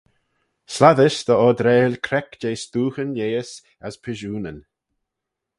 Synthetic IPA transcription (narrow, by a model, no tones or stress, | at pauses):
slaðəsd̪əɔd̪ɾeːlkʰɾɛkd͡ʒeːst̪uːxənjeːəs | aspʰɪʒuːnən